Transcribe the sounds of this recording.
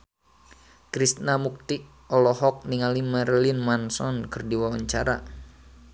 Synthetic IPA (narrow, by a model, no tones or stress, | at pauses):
kɾist̪namuk̚t̪i | ʔɔlɔɦɔk̚niŋalimarlinmansɔnkɨrdiwawaɲt͡ʃaɾa̰